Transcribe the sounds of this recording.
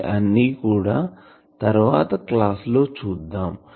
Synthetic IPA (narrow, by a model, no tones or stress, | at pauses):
ʔɐnːiːkuːɽaː | t̪ɐɾʋaːt̪ɐklaːslo̞ːt͡ʃuːd̪ːaːm